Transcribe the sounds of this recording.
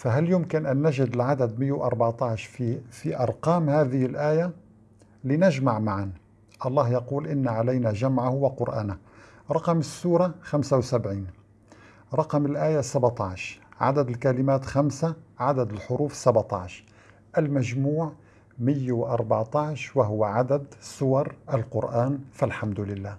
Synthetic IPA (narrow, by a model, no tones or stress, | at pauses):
faɦaljʊmkɪnʔanːaʒɪd̪ɪlʕad̪ad̪mɪjːwʔɑɾˤbɑʕt̪ˤɑʕʃfifiʔɑɾˤqɑːmhaːðɪhɪlʔaːja | lɪnaʒmaʕmaʕan | ʔɑlˤːɑːhjɑquːlʔɪnːaʕalajnaʒamʕahʊwaqʊɾʔa̰ːna | ɾˤɑqɑmɪsːuːɾˤɑxamsawsabʕiːn | ɾˤɑqmɪlʔaːjasabt̪ˤɑʕʃʕa̰d̪ad̪əlkalɪmaːt̪xamsaʕad̪ad̪əlħʊɾuːfsabʕt̪ˤɑ̰ʕʃ | ʔalmæʒmuːʕ | mɪjːawʔɑɾˤbɑʕt̪ˤɑʕʃwaɦʊwaʕad̪ad̪sˤʊwɑɾˤʔalqʊɾʔaːnfalħamd̪ʊlɪlːaː